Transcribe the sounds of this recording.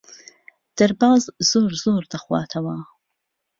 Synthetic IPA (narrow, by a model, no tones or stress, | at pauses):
d̪̥ɐɾbaːzzoːɾzoːɾd̪ɐχwɑ̰ːt̪ʰɐwa